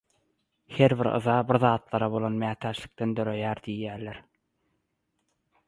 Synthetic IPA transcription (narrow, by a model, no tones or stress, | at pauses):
he̞ɾβiɾɯ̰ðɑbiɾðɑːt̪lˠɑɾɑβo̞lˠonmæːt̪ʰæːʃli̥k̚t̪end̪øɾøjæːɾd̪ijːæːɾleɾ